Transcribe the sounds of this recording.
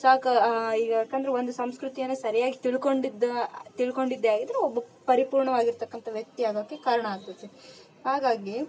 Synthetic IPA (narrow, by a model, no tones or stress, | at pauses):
saːkɐiːɡɐaːkːɐnd̪ɐɾeond̪usɐmskɾut̪ijɐnːesɐɾɐjaːɡit̪iɭko̞ɳɖid̪ɐt̪iɭko̞ɳɖid̪ːeaːɡid̪ɐɾeobːɐpɐɾipuːɾɳɐʋaːɡiɾt̪ɐkːɐnt̪ɐʋjɐk̚t̪ːiaːɡoɡekaːɾɐɳɐaːɡ̚t̪ɐt̪ːe | haːɡaːɡi